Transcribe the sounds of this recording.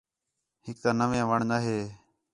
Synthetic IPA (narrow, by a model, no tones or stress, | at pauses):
hɪk̚t̪ãːnəʋeãːʋəɳnaːɦeː